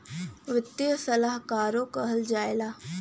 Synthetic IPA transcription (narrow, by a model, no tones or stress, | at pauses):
ʋɪt̪ːjsɐlaɦkaːɾokəɦəld͡ʒaːjelaː